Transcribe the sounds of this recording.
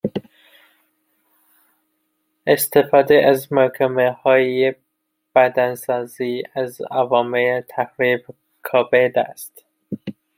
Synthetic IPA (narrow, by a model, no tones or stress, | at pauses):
est̪e̞fɒːd̪eʔæzmækʰæmehɒːje | b̥æd̪ænsɒːziːæzævɒːmelet̪ʰæxɾiːb | kʰɒːbed̪æ̰st̪